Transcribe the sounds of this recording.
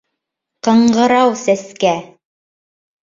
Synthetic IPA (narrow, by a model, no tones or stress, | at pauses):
qɤ̆ɴɢɤ̆ɾɑwsæskæ